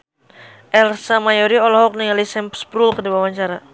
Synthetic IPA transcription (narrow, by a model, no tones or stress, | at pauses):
ʔɛlsamajɔɾiɔlɔɦɔk̚niŋalisɛmpspɾulkədiwawaɲt͡ʃaɾa